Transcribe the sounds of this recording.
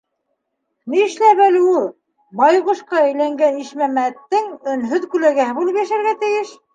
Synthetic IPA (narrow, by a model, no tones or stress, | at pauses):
niɘ̆ʃlæpælɘ̆ulˠ | bɑjʁŏʃqɑæ̆jlæŋɡæniʃmæmæt̪ːɘŋɵ̆nɦɵðkʉlæɡæhɘbulˠɤpjæʃæɾɣæt̪ɘ̆jɘʃ